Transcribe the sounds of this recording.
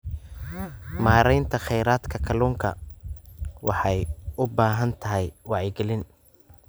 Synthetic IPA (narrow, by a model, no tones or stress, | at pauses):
maːɾɛjnt̪ʰɐχɛjɾaːd̪kʰɐkʰɐluːŋkʰɐ̰ | wɑħɑjʊbaːɦɐnt̪ʰɐɦɛjwɑʕɪɡɛlɪn